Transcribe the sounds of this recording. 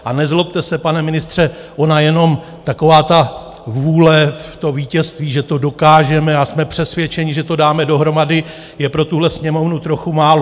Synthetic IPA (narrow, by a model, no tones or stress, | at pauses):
ʔanɛzlop̚t̪ɛsɛpanɛmɪnɪst̪r̝̥ɛ | ʔo̞najɛno̞m | t̪ako̞vaːt̪a | vuːlɛft̪o̞viːcɛst̪viːʒɛt̪odo̞kaːʒɛmɛasmɛpr̥ɛsvjɛt͡ʃɛɲɪʒɛt̪o̞daːmɛdo̞ɦɾo̞madɪ | jɛpɾo̞t̪uɦlɛsɲɛmo̞vnut̪ɾo̞xumaːlo